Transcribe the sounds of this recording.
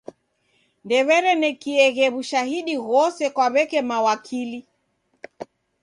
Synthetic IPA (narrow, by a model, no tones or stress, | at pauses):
ndɛβɛɾɛnɛkiɛɣɛβuʃahiɗiɣɔsɛkwaβɛkɛmawakʰili